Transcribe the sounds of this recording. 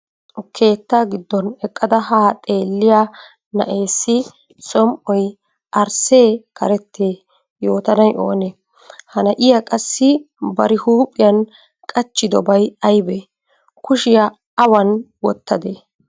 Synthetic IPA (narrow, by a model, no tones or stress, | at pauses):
ʊkʰe̞ːt̪ːaːɡɪd̪ːɔnɛkʼːɐd̪ɐhaːt̪ʼe̞ːlːɪja | nɐ̰ʔe̞ːsːɪ | sɔmʔɔj | ʔɐɾse̞ːkʰɐ̰ɾɛt̪ʰːeː | jo̞ːt̪ɐnɐjʔo̞̰ːne | hɐnɐʔɪjakʼɐsːɪ | bɐɾɪhuːpʼɪjɐn | kʼɐt͡ʃːɪd̪ɔbɐjɐjbɛ | kʊʃɪja | ɐwɐn | wɔt̪ːɐd̪e